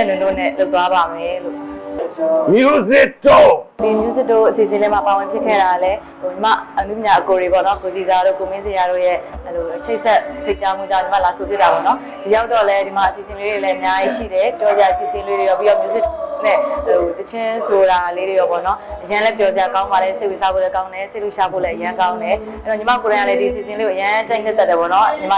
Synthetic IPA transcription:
ɛ˨nɪ̃˨ndo̰˦˨nɛ̰˦˨lo˦ʊt̪wa˦ba˨mɛ˨lo̰˦˨ʔ | mju˦zɪ˦tːo˦˨di˨mju˦zɪ˦tːo̰˦˨ʔəsi˨sɪ̃˨lɛ˦ma˦˨pa˨wɪ̃˨pʰjɪ˦ʔkʰːɛ̰˦˨ɾa˨lɛ˦ | o˨ɲə˦ma̰˦˨ʔənu˦˨pɲa˨ʔəko˨ɹe˨bɔ̰˦˨nɔ˦ɡo˨zi˨za˨ɾo̰˦˨ko˨mɪ̃˦ze˨ja˨ɾo̰˦˨jɛ˦˨əlo˨ʔət͡ɕʰe˦ɪʔsɛ˦ʔpʰe˦˨t͡ɕa˦mu˦˨d͡ʑã˦˨ɲt͡ɕə˦ma̰˦˨la˨so˨p̪ɪ˦t̪ːa˨bɔ̰˦˨nɔ˦ | d̥i˨ja˦ʊt̪ɔ˦˨lɛ˦di˨ma̰˦˨ʔəsi˨sɪ̃˨lwe˦ɾe˨lɛ˦ʔə˨mja˦ji˦ʃḭ˦˨ɾɛ˨pjɔ˦ze˨ja˨ə˨sḭ˨sɪ̃˨lwe˦ɾe˨jɔ˦˨pi˦ɔ˦˨mjo˦zɪ˦nɛ˦˨o˨t̪ət͡ɕʰɪ̃˦sʰo˨ɾa˨le˦ɹe˨jɔ˦˨pɔ̰˦˨nɔ˦ʔəjã˦lɛ˦pjɔ˦ze˨ja˨kã˦ʊ̃mba˨lɛ˦se˦ɪwe˨za˦bo̰˦˨lɛ˦kã˦ʊ̃ndɛ˨se˦˨lo˦˨ʃa˦bo̰˦˨lɛ˦ʔəjã˦kã˦ʊ̃ndɛ˨ | ʔɛ˦ɾɔ˦˨ɲə˦ma̰˦˨ko˨ã˨ɪŋa˨lɛ˦di˨ʔsḭ˨sɪ̃˨nle˦˨o˨jã˦t͡ɕã˦ɪ̃nɪ˦t̪ɛ˦tːɛ˨bɔ̰˦˨nɔ˦ɲə˨ma˦˨

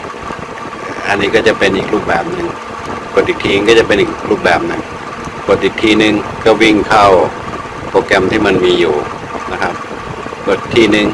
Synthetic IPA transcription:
ʔːʔa˧nːiː˦˥kɔː˥˩t͡ɕa˨˩pe˧nʔiː˨˩k̚ɾuː˥˩p̚bɛː˨˩p̚nɯ˧ŋ | ko˨˩t̪̚i˨˩k̚t̪ʰiː˧˩nɯ˧kɔː˥˩a˨˩pe˧nʔiː˨˩k̚ɾuː˥˩p̚bɛː˨˩p̚nɯ˧ŋ | ko˨˩t̪̚ʔiː˨˩k̚t̪ʰiː˧˩nɯ˨˧ŋkɔː˥˩wi˥˩ŋkʰa˥˩w | poː˧ka˧mt̪ʰiː˥˩ma˧nmiː˧juː˨˩ | na˦˥kʰa˦˥p̚ | ko˨˩t̪ʰːiː˧˥˩nɯ˨˩ŋ

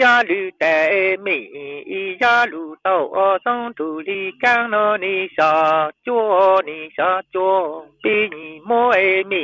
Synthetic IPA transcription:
ja˦ly˧t̪ɛ˨˩e˧mi˧˨ɲĩ˨i˧ja˦lu˨t̪ɔ˧˩wʔɔ˧sɔ˦ŋt̪u˨li˧ka˦˥ŋnɔ˧ni˧ɕa˧t͡ɕo˦˧ni˧˩ɕa˧˦t͡ɕo˧pi˦ɲi˨˩˨mo˦e˧mi˧˨

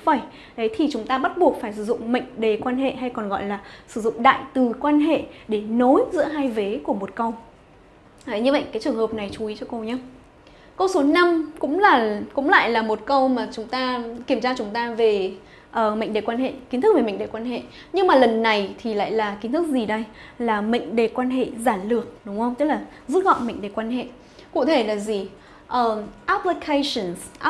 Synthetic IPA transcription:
vaː˧˩j | ɗə˨˦jt̪ʰi˨˩t͡ɕʊ˨˦ŋ͡mt̪aː˧ɓa˦˥t̚ɓu˨˩ək̚faː˧˩jsɨ˧˩zʊ̰˧˨ŋ͡mmə̰˧˨jŋ̟ɗe˨˩kwaː˧nɦḛ˧˨ɦa˧jkɔ˨˩nɣɔ̰˧˨jlaː˨˩sɨ̥˧˩zʊ̰˧˨ŋ͡mɗa̰ː˧˨jt̪ɨ˨˩kwaː˧nɦḛ˧˨ɗe˧˩no˨˦jzɨ̰˧˥əɦaː˧jve˨˦ku˧˩əmo˨˩t̚kə˧w | ɲɨ˧və̰˧˨jkaː˨˦jt͡ɕɨ˨˩əŋhəː˨˩p̚na˨˩jt͡ɕu˨˦i˨˦t͡ɕɔ˧ko˧wɲaː˨˦ | kə˧wso˨˦na˧mkʊ̰˧˥ŋ͡mlaː˨˩kʊ̰˧˥ŋ͡mla̰ː˧˨jlaː˨˩mo˨˩t̚kə˧wmaː˨˩t͡ɕʊ˨˦ŋ͡mt̪aː˧ki˧˩əmt͡ɕaː˧t͡ɕʊ˨˦ŋ͡mt̪aː˧ve˨˩ | ʔəː˨˩mə̰˧˨ŋ̟ɗe˨˩kwaː˧nhḛ˧˨ki˨˦nt̪ɨ˦˥ve˨˩mə̰˧˨ŋɗe˨˩kwaː˧nhḛ˧˨ | ɲɨ˧ŋmaː˨˩lə˨˩nːa˨˩jt̪ʰi˨˩la̰ː˧˨jlaː˨˩ki˨˦nt̪ʰɨ˦˥k̚zi˨˩ɗə˧jlaː˨˩mə̰˧˨ŋ̟ɗe˨˩kwaː˧nɦḛ˧˨zaː˧˩nlɨ˨˩ək̚ɗʊ˨˦ŋ͡mxə˧wŋ͡mt͡ɕə˦˥t̚laː˨˩ | zu˦˥t̚ɣɔ̰˧˨nmə̰˧˨ŋɗe˨˩kwaː˧nhḛ˧˨ | kṵ˧˨t̪ʰe˧˩laː˨˩zi˨˩ | ʔəː˨˩ʔa˦˥pli˧kʰe˧sə˧˨˩nsʔ

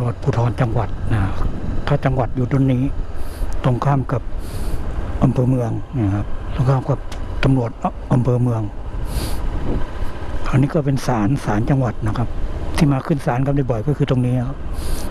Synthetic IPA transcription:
lu˧˩ət̪̚pʰuː˧˩t̪ʰɔː˧nt͡ɕa˧ŋwa˨˩t̪̚na˧t̪ʰːaː˧˩t͡ɕa˧ŋwa˨˩t̪̚juː˨˩do˧˥˨nːiː˧˥˩t̪o˧˨ŋkʰaː˧˥˨mka˨˩p̚ | ʔa˧mpʰɤː˧mɯ˧əŋna˧˩kʰa˧˩p̚lɔ˧˩kʰaː˧˥˨mka˨˧˩p̚t̪ːa˨˧˦mlu˨˩ət̪̚ʔa˧˦mpʰɤː˧mɯ˧əŋ | ʔʰa˨˧˩niː˧˥˩kɔː˧˩pe˧nsaː˨˦nsaː˨˦nt͡ɕa˧ŋwa˨˩t̪̚na˧˩kʰa˧˥p̚t̪ʰiː˧˩maː˧kʰɯ˧˥˨nsaː˨˦nka˧˥da˧˩jbɔ˨˩jkɔː˧˩˨kʰɯː˧t̪o˧˨ŋniː˧˥˨nɔ˧˦˨

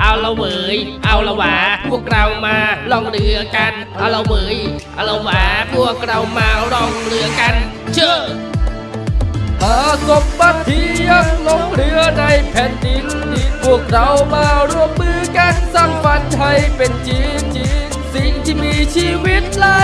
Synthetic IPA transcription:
ʔa˧wlə˧wməː˩jʔa˧wlə˧waː˧pu˧əkrawmaː˧lɔ˧ŋrɨəka˧n | ʔa˧lo˧wməːjʔa˧lo˧wwaː˧pu˧˩əkra˧wmaː˧rɔ˧ŋrɨ˧əka˧n | t͡ɕʰə˧ | h̪aː˧somɓa˧t̪ʰːiː˧jək̚lɔ˧ŋrɨ˧əna˧jpʰeː˧nɗin | ni˧pu˧əkra˧wmaː˧ɾu˧əmmɨː˧ka˧t̚sa˧mpa˧t̪̚t̪ʰːə˧jpent͡ɕiːnt͡ɕiːnsint͡ɕiː˧miːt͡ɕiː˧ʋiət̪̚laː˧

